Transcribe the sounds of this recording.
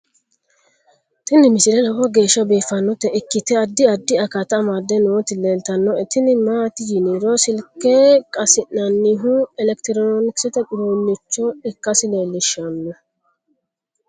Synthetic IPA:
t̪ɪnːɪmɪsɪɾɛlɐwɔɡe̞ːʃːɐbeːfɐnːɔt̪ːɛɪkːɪt̪ɛɐd̪ːɪɐd̪ːɪɐkɐt̪ɐmad̪ɛnɔwɔt̪ɪleːlt̪ɐnːɔɛt̪ɪnɪmaːt̪ɪd͡ʒiniɾɔsɪlkːɛkʼɐsɪnnɐnːɪɦʊɛlɛkt̪ɪɾɔnomɪksɪt̪ɐɡʊɾuːnːɪt͡ʃːɔɛkːɐsɪleːlːɪʃɐnːɔ

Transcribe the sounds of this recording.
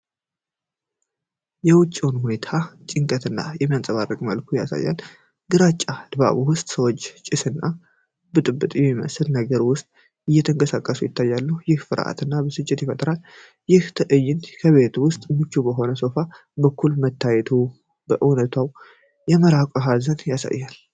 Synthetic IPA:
jɛwʊt͡ʃʼːiwnhune̞t̪ʰat͡ʃʼɪŋkʼət̪ɨnːa̰jɛmːijansʼəβarːəkʼməlkʰuja̰sa̰jːa̰l | ɡɨɾat͡ʃʼːad̪̥ba̰βuwʊst̪ʼsəwot͡ʃːt͡ʃʼɪsɨnːa | bɨt̪ʼɨbːɨt̪ʼjɛmːimə̰sɨlnəɡəɾwʊst̪ʼ | ɨjːɛt̪ʰəŋkʼəsakʼːəsujɪt̪ʰːajːalːəhujɪhfɨɾ̰ʔa̰t̪ɨnːabəsɨt͡ʃʼːɪt̪jɛfət̪ʼɾal | jɪht̪ʰəʔɨjːɪnkʰəβe̞t̪wʊst̪ʼmɨt͡ʃːubəɦo̞nəso̞fa | bəkʰːulmət̪ːajɛt̪ʰu | bəʔɨwnət̪ʰwaw | jɛməɾakʷʼoɦazənjasa̰jːal

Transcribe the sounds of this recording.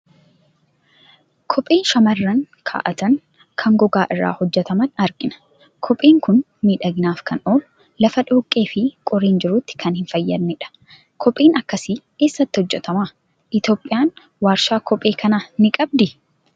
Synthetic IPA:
kʰɔpʼːeːnʃɐmɐrːɐn | kʰa̰ːʔɐt̪ɐŋ | kʰɐŋɡɔɡaːʔɪrːa̰ːhɔd͡ʒːɛt̪ɐmɐnɐɾɡʼɪnɐ̥ | kʰɔpʼeːŋkʊn | miːᶑɐɡɪnaːfkʰɐnoːlʊ | lɐfɐᶑoːkʼːe̞ːfɪkʼɔɾeːnd͡ʒɪɾʊt̪ːɪ̥kʰɐnhɪnfɐjːɐd̪nɛᶑɐ̥ | kʰɔpʼːeːnɐkːɐsɪke̞ːsːɐt̪ːɪ̥hɔd͡ʒːɛt̪ɐma | ʔɪt̪jo̞ːpʼːɪjaːn | waːɾʃaːkʰɔpʼe̞ːkʰɐnanɪkʼɐb̚d̪ɪ

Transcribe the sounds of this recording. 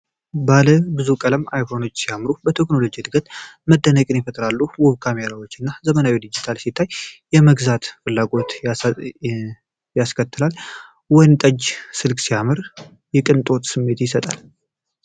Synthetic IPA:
baləbɨzukʼələmajkono̞t͡ʃːsijamːɾubət̪ʰe̞kno̞lo̞d͡ʒid̪ɨɡət̪məd̪ːənəkʼɨnjɛfət̪ʼɾalːuwɔβkʰame̞ɾawot͡ʃːɨnːazəmənawid̪id͡ʒit̪ʰalsit̪ʰːajjɛməɡzat̪fɨlːaɡo̞t̪ | jaskʰət̪ːɨlal | wɔjnt̪ʼəd͡ʒsɨlkʼsijamɨɾ | jɛkʼɨnt̪ʼo̞t̪sɨmːe̞t̪jɪsət̪ʼa̰l

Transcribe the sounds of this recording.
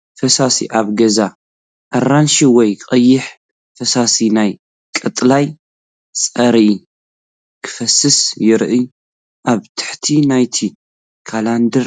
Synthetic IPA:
fɐsasḭʔaβɡɐza | ʔɐranʃiwɔjqʼɐjːɪħ | fɐsasinaj | kʼɨt̪ʼlaj | sʼɐɾʔ | kʰɨ̥fɐsːɨsjɪɾʔi | ʔaβt̪ʰɨ̥ħt̪ʰinajt̪ʰi | kʰaland̪ɨɾ

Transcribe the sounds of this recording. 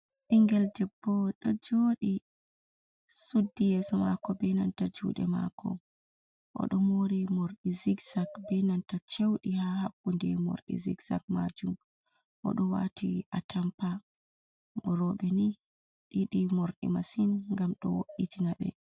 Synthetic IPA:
ʔiŋɡɛldɛbːɔɗɔd͡ʒoːɗi | sudːijɛsɔma̰kɔbɛnantad͡ʒṵːɗɛ̰ma̰kʰɔ̰ | ʔɔ̰ɗɔmoɾimoɾɗiziɡzakbɛnantat͡ʃewɗihahakːundɛmo̰ɾɗḭzḭɡza̰k̚ma̰d͡ʒum | ʔɔ̰ɗɔwa̰tʰiʔatʰampa | bɔɾɔɓɛni | ɗiɗimoɾɗḭmasinŋɡamɗɔ̰woʔitinaɓɛ̰

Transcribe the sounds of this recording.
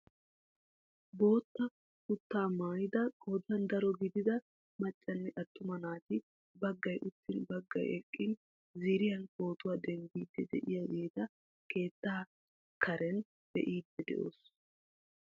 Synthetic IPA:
bo̞ːt̪ːɐ | kʊt̪ːaːmaːjɪd̪ɐkʼoːd̪ɐnd̪ɐɾɔɡɪd̪ɪd̪ɐ | mɐt͡ʃʼːɐnːɛʔɐt̪ːʊmɐnaːt̪ɪ | bɐɡːɐjʔʊt̪ːɪnbɐɡːɐ̰jɛkʼːɪn | ziːɾɪjɐnbo̞ːt̪ʊwaːd̪ɛŋɡiːd̪ːɛd̪ɛ̰ʔɪjajeːd̪ɐ | ke̞ːt̪ːaː | kʰɐɾɛn | b̥ɛ̰ʔiːd̪ːɛd̪ɛ̰ʔo̞̰ːs

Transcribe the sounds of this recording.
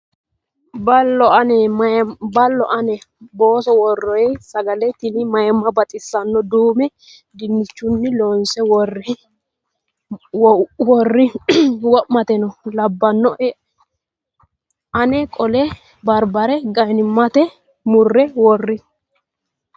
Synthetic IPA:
bɐlːɔɐnɛ | bɐlːɔʔɐnɛbo̞ːsɔwɔrːɔjɛsɐɡɐlɛt̪ɪnɪmɐjmːɐbɐt̪ʼɪsːɐnːɔd̪uːmɛ | d̪ɪnːɪt͡ʃːʊnːɪloːnsɛwɔr | wɔrːɪwɔʔmɐt̪ɛnɔlɐbːɐnːɔʔɛ | ʔɐnɛkʼɔlɛ | bɐɾbɐɾɛɡɐjnɪmːɐt̪ɛ | mʊrːɛwɔrːɪ

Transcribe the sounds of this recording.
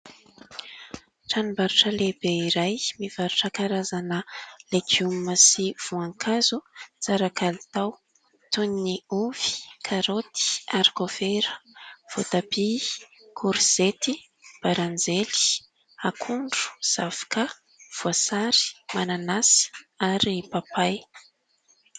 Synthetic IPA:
ʈ͡ʂanimbaɾuʈ͡ʂəlebeiɾajmiv̥aɾuʈ͡ʂəkaɾazanəlekiumːəsiv̥uaŋkʰazut͡saɾakʰalit̪aw | t̪unːiuv̥i̥kʰaɾot̪i̥aɾikofeɾə̥v̥ot̪api | kʰuɾz̥et̪i | b̥aɾand͡zeli̥ | akʰuɳɖ͡ʐu̥z̥afḁkə | v̥uasaɾi̥mananasi̥aɾipapaj

